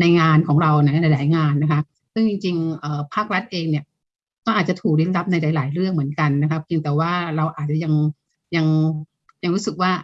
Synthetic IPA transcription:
na˧jŋaː˧nkʰɔː˩˦ŋɾa˧wna˦˥na˧jlaː˩˦jŋaː˧nːa˦˥kʰa˦˥p̚ | sɯ˥˩ŋt͡ɕi˧ŋt͡ɕi˧ŋʔəː˨˩pʰaː˥˩k̚ɾa˦˥t̪̚ʔeː˧ŋni˥˩ɐ | t̪ɔː˥˩ʔaː˨˩t̪̚t͡ɕa˨˩t̪ʰuː˨˩k̚li˦˥t̪̚la˦˥p̚na˧jlaː˩˦jlaː˩˦jɾɯ˥˩əŋmɯ˩˦ənka˧nːa˦˥kʰa˦˥p̚ki˧ŋt̪ɛː˨˩waː˥˩ɾa˧wʔaː˨˩t̪̚t͡ɕa˨˩ja˧ŋ | ja˧ŋ | ja˧ŋɾuː˦˥sɯ˨˩k̚waː˥˩

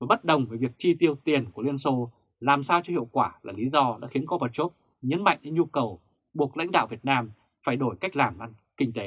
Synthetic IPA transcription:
vəː˨˩jɓə˦˥t̚ɗə˨˩wŋ͡mve˨˩vi˨˩ək̚t͡ɕi˧t̪i˧əwt̪i˨˩ənku˧˩li˧ənso˧ | laː˨˩msaː˧wt͡ɕɔ˧hḭ˧˨ə˨wkwaː˧˩la̰ː˨˩li˨˦zɔ˧ɗa̰ː˧˥xi˨˦ənkɔ˧pə˧˩t͡ɕo˦˥p̚ | ɲə˨˦nma̰˧˨jŋ̟ʔɨ˧˥ŋɲu˧kə˨˩w | ɓu˨˩ək̚la̰˧˥jŋ̟ɗa̰ː˧˨wvi˨˩ət̚naː˧m | faː˧˩jɗo˧˩jka˦˥jk̚laː˨˩mʔa˧n | kï˧ŋ̟t̪e˨˦

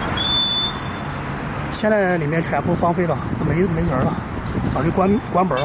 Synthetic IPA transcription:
ɕjɛ˥˧nt͡sa˥˧ɪli˨˩mjɛ˥˧nt͡ɕʰɥɛ˧˥npʰu˥fɑ˥ŋfe˥ɪɾə˧˩˥me˧˥me˧˥ɪjə˨˧˥lə˧ | t͡sɑ˨˩t͡ɕy˥˩knkwa˥npə˨˩˥

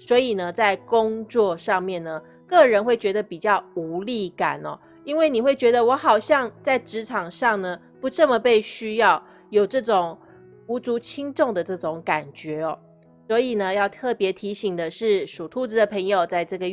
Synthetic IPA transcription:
swɔ˧˥i˨˩nə˦t͡sa˥˩ɪkʊ˥ŋt͡swɔ˥˧ʂɑ˥˧ŋmjɛ˥˩nnə˩ | kɤ˥˩ɻə˧˥nxwe˥˩ɪt͡ɕɥɛ˧˥d̪ə˧pi˨˩t͡ɕjɑ˥˩ʊu˧˥li˥˩ka̰˨˩nɔ̰˦ | i˥nwe˥˩ɪni˨˩xwe˥˩ɪt͡ɕɥɛ˧˥d̪ə˧wɔ˧˥xɑ˨˩ʊɕjɑ˥˧ŋt͡sa˥˩ɪʈ͡ʂɻ̩˧˥ʈ͡ʂʰɑ˨˩ŋʂɑ˥˩ŋnə˩ | pu˧˥ʈ͡ʂɤ˥˩mə˨pe˥˩ɪɕy˥jɑ˥˩ʊ | jo˨˩ʊʈ͡ʂɤ˥˩ʈ͡ʂʊ˨˩ŋ | u˧˥t͡su˧˥t͡ɕʰi˥ŋʈ͡ʂʊ˥˩ŋd̪ə˩ʈ͡ʂɤ˥˩ʈ͡ʂʊ˧˥˦ŋka˨˩nt͡ɕɥɛ˧˥ɔ˧ | swɔ˧˥i˨˩nə˦jɑ˥˧ʊt̪ʰɤ˥˩pjɛ˧˥t̪ʰi˧˥ɕi˨˩ŋd̪ə˦ʂɻ̩˥˩ʂu˨˩t̪ʰu˥˧t͡s̩˥d̪ə˨˩pʰə˧˥ŋjo˨ʊt͡sa˥˧ɪʈ͡ʂɤ˥˩ɡə˩

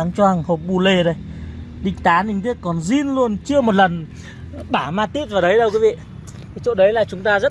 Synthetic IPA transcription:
aː˨˦ŋt͡ɕwaː˧ŋho˨˩p̚ɓu˧˩le˧˩ɗə˨˧jɗḭ˧˨ŋ̟t̪aː˨˦nï˨˧ŋt̪ʰi˦˥t̚kɔ˨˩nzi˧nlu˧ənt͡ɕɨ˧əmo˨˩t̚lə˨˩n | ɓaː˧˩maː˧t̪i˦˥p̚vaː˨˩ɗə˨˦jɗə˧wki˨˦vḭ˧˨˩ | t͡ɕo̰˧˨ɗə˨˦jlaː˨˩t͡ɕʊ˨˦ŋ͡mt̪aː˧zə˦˥t̚

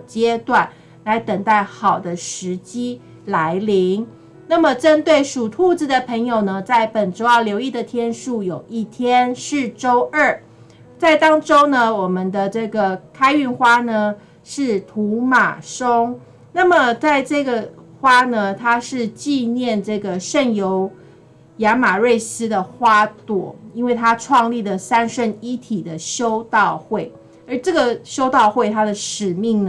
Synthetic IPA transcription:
t͡ɕjɛ˥t̪wa˥˩n | la˧˥ɪt̪ə˨˩ŋt̪a˥˩ɪxɑ˨˩ʊd̪ə˦ʂɻ̩˧˥t͡ɕi˥ | la˧˥ɪli˧˥ŋ | na˥˩mə˨ʈ͡ʂə˦˥nt̪we˥˩ɪʂu˨˩t̪ʰu˥˧t͡s̩˨˩d̪ə˩pʰə˧˥ŋjo˨˩ʊnə˦t͡sa˥˩ɪpə˨˩nʈ͡ʂo˥ʊjɑ˥˩ʊljo˧˥ʊi˥˩d̪ə˩t̪ʰjɛ˥nʂu˥˩jo˨˩ʊi˥˩t̪ʰjɛ˥nʂɻ̩˥˩ʈ͡ʂo˥ʊə˥˩ | t͡sa˥˩ɪt̪ɑ˥ŋʈ͡ʂo˥ʊnə˧wɔ˨˩mə˦nd̪ə˧ʈ͡ʂɤ˥˩ɡə˩kʰa˥ɪy˥˩nxwa˥nə˧ | ʂɻ̩˥˩t̪ʰu˧˥ma̰˨˩ʂo˥ŋ | na˥˩mə˨t͡sa˥˧ɪʈ͡ʂɤ˥˩ɡə˩xwa˥nə˨t̪ʰa˥ʂɻ̩˥˧t͡ɕi˥˧njɛ˥˨nʈ͡ʂɤ˥˩ɡə˩ʂə˥˩njo˧˦ʊ | ja˧˥ma˨˩ɻe˥˩ɪsɹ̩˥d̪ə˨xwa˥t̪wɔ̰˨˩˦i˥nwe˥˩ɪt̪ʰa˦ʈ͡ʂʰwɑ˥˧ŋli˥˩də˩sa˥nʂə˥˧ni˦˥t̪ʰi˨˩d̪ə˦ɕjo˥ʊt̪ɑ˥˧ʊxwe˥˩ɪ | ə˧˥ʈ͡ʂɤ˥˩ɡə˨ɕjo˥ʊt̪ɑ˥˧ʊxwe˥˩ɪt̪ʰa˥d̪ə˨ʂɻ̩˨˩mi˥˩ŋn

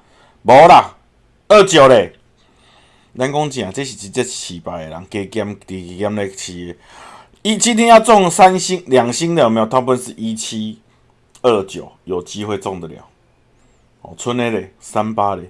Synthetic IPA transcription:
bɔ˨˦ɾa˨˩ | ə˥˨t͡ɕjɔ˨˩ɾe˨˩ | la˦nkɔ˦ŋt͡ɕĩ˨ã˨t͡se˦ɕi˨t͡ɕi˧˩t͡ɕjɛ˦˧t̚t͡ɕʰi˨˩pa˨˩e˨la̰˨˦ŋke˧kja˦mte˨˩ke˧kja˧˦mle˧t͡ɕʰi˧e˨˦ | i˦t͡ɕʰi˦nĩ˦ja˥˧t͡sɔ˥˨ŋsa˦nɕi˦ŋlja˨˩ŋɕi˦ŋljã˨˩˨mjã˨˩t̪ʰa˦ŋpu˦˧ns̩˧˨i˦t͡ɕʰi˦ | ə˥˧t͡ɕjɔ̰˨˩jo˨˩t͡ɕi˦ɦwe˥˧˨t͡sɔ˥˨ŋd̪ə˨ɾja̰˨˩˦ʊ | hɔ̰˨˩t͡sʰu˦ne˧ɾe˨sa˦mpa˦ɾe˨˩

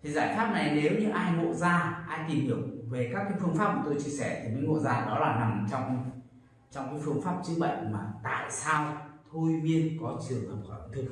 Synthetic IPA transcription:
t̪ʰi˨˩zaː˧˩jfaː˦˥p̚na˨˩jne˨˦wɲɨ̰˧˥ŋʔaː˧jŋo̰˧˨zaː˧ʔaː˧jt̪i˨˩mhi˧˩əwve˨˩kaː˦˥kːaː˨˦jfɨ˧əŋfaː˦˥p̚ku˨˩t̪o˧jt͡ɕi˧əsɛ˧˩t̪ʰi˨˩ɲə̰˧˦ŋo̰˧˨zaː˧ɗɔ˨˦laː˨˩na˨˩mt͡ɕɔ˧wŋ͡m | t͡ɕɔ˧wŋ͡mkaː˨˦jfɨ˧əŋfaː˦˥p̚t͡ɕɨ˨˦ŋ̚ɓə̰˧˨jŋ̟maː˨˩t̪a̰ː˧˨jsaː˧wt̪ʰo˧jmi˧ənkɔ˨˦t͡ɕɨ˨˩əŋlaː˨˩mxɔ̰˧˩˧ŋt̪ʰɨ˨˧˩k̚

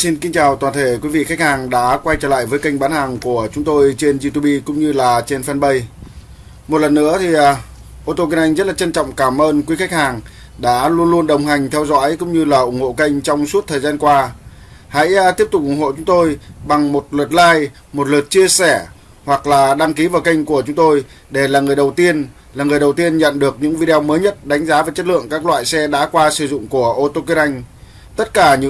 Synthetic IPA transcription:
si˧nki˧ŋ̟t͡ɕaː˨˩wt̪waː˨˩nt̪ʰe˧˩kwi˨˦vḭ˧˨xa˦˥jk̚haː˨˩ŋɗa̰ː˧˥kwa˧jt͡ɕəː˧˩la̰ː˧˨jvəː˨˦jkə˧jŋ̟ɓaː˨˦nhaː˨˩ŋku˧˩ət͡ɕʊ˨˦ŋ͡mt̪o˧jt͡ɕe˧nzi˧t̪u˧ɓi˧kʊ̰˧˥ŋ͡mɲɨ˧laː˨˩t͡ɕe˧nfa˧nɓə˧j | mo˨˩t̚lə˨˩nːɨ̰˧˥ət̪ʰi˨˩ʔ | ʔo˧t̪o˧ki˧nʔa˧jŋ̟zə˦˥t̚laː˨˩t͡ɕə˧nt͡ɕɔ̰˧˨wŋ͡mkaː˧˩mʔəː˧nkwi˨˦xa˦˥k̚haː˨˩ŋ | ɗa̰ː˧˥lu˧ənlu˧ənɗə˨˩wŋ͡mɦa˨˩jŋ̟t̪ʰɛ˧wzɔ̰˧˥jkʊ̰˧˥ŋ͡mɲɨ˧laː˨˩ʔʊ˧˩ŋ͡mho̰˧˨kə˧jŋ̟t͡ɕɔ˧wŋ͡msu˦˥t̚t̪ʰəː˨˩zaː˧nkwaː˧ | ha̰˧˥jt̪i˦˥əp̚t̪ʊ˨˩k͡p̚ʔʊ˧˩ŋ͡mŋho̰˧˨t͡ɕʊ˨˦ŋ͡mt̪o˧jɓa˨˩ŋmo˨˩t̚lə˨˩t̚laː˧j | mo˨˩t̚lə˨˩t̚t͡ɕi˧əsɛ˧˩ | hwa˨˩k̚laː˨˩ɗa˧ŋki˨˦vaː˨˩wkə˧jŋ̟ku˧˩ət͡ɕʊ˨˦ŋ͡mt̪o˧j | ɗe˧˩laː˨˩ŋɨ˨˩əjɗə˨˩wt̪i˧ən | laː˨˩ŋɨ˨˩əjɗə˨˩wt̪i˧ənɲə̰˧˨nɗɨ˨˩ək̚ɲɨ̰˧˥ŋvi˧ɗe˧ɔ˧məː˨˦jɲə˦˥t̚ɗa˨˦jŋ̟zaː˨˦vaː˨˩t͡ɕə˦˥t̚lɨ̰˧˨əŋkaː˦˥k̚lwa̰ː˧˨jsɛ˧ɗa̰ː˧˥kwaː˧sɨ˧˩zʊ̰˧˨ŋ͡mku˧˩əʔo˧t̪o˧k̬i˧˥nʔa˧jŋ̟ | t̪ə˦˥t̚kaː˧˩ɲɨ̰˧˥

